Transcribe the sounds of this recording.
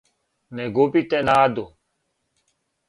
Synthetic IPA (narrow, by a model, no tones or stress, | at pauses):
nɛɡopit̪ɛnaːd̪o